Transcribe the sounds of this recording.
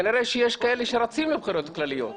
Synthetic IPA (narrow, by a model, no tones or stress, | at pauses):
niɾeʃejeʃkae̞leʃeɾat͡simlebxiɾo̞t̪klalijo̞̰t